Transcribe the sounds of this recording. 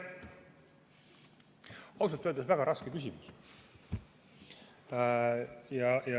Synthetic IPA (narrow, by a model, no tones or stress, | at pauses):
ɑws̬ɑt̪ːøːld̪ɑsvæɡ̥ɑɾɑskekys̬ʲimus | jɑjɑ